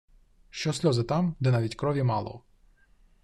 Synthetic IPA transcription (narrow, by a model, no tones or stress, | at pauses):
ʃt͡ʃɔsʲlʲɔzɪt̪ɑmd̪ɛnɑʋʲitʲkɾɔʋʲjimɑlˠɔ̰